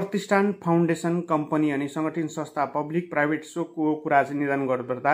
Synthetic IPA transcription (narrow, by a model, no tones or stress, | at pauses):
prʌt̪isʈʰanpʰawɳɖesʌnkʌmpʌniʌnisʌŋɡʌʈʰinsʌ̃st̪ʰapʌblik̚prajbʱeʈsokokuɾat͡sʌ̃j̃nid̪ʌnɡʌrbʌrd̪a